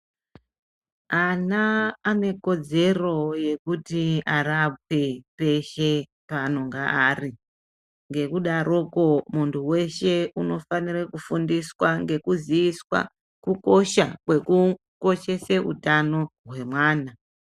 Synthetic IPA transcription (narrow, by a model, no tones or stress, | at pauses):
anaːne̞ko̞d͡ze̞ro̞je̞kutiarap̚e̞pe̞ʃe̞ | pano̞ŋɡaaːri | ŋɡe̞kuɗaɾo̞ko̞muntʰuwe̞ʃe̞uno̞fanirekufundiswaŋɡe̞kuziːswa̰ | kuko̞ʃakwe̞ku | ko̞ʃe̞seṵtano̞ɦwe̞mwaːna